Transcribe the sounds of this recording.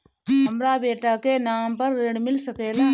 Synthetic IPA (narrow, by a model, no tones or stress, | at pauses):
ɦɐmɾabeːʈakenaːmpɐɾːeɽmɪlsɐkeːlaː